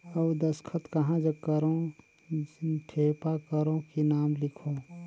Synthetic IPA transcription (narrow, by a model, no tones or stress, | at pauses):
ɐwd̪ɐskʰət̪kɐɦãd͡ʒɐkɐɾõ | ʈʰeːpakəɾõkinaːmlɪkʰo